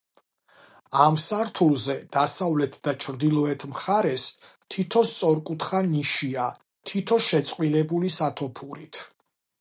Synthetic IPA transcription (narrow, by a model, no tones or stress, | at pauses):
amsaɾt̪ʰulˠzɛd̪̥asavlɛt̪ʰd̪at͡ʃʰɾd̪ilˠɔɛt̪ʰmχaɾɛs | t̪ʰit̪ʰɔst̪sʼɔɾkʼut̪ʰχaniʃia | t̪ʰit̪ʰɔʃɛt̪sʼqʼwilɛbulisat̪ʰɔpʰuɾit̪ʰ